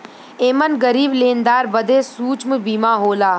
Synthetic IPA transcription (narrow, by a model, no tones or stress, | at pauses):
eːmənɡəɾiːbleːnd̪aːɾbɐd̪eːsuːt͡ʃməbiːmãːɦoːlaː